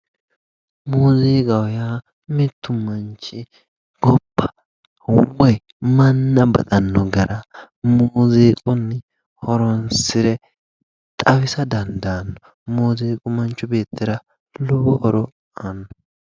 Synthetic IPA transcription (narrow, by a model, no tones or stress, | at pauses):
moːzeːkʼɐwjaː | mɪt̪ːʊmɐnt͡ʃːɪ | ɡ̥ɔpːɐ̥ | wɔj | mɐnːɐbɐ̰t̪ʼɐnːɔɡɐɾʔɐ | moːzeːkʼʊnːɛ | hɔɾɔnsɪɾɛ | t̪ʼɐwɪsɐd̪ɐnd̪anːɔ | moːzeːkʼʊmɐnt͡ʃːʊbe̞ːt̪ːɪɾɐ | lʊbɔʔɔɾɔ | ɐnːɔ